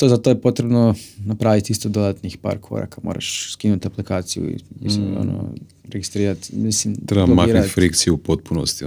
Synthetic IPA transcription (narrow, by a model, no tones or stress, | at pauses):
t̪ozat̪ojepot̪ɾebnonapɾaːʋit̪ist̪od̪od̪at̪nixpa̰ɾkʰo̰ɾa̰kamoːɾʔa̰ʃskinut̪aplikaːt̪sijṵḭnḭsmoo̰no̰ | ɾeɡist̪ɾiːɾat̪mislimɾebamaiːɾfɾikt̪sijɛupot̪̚punost̪i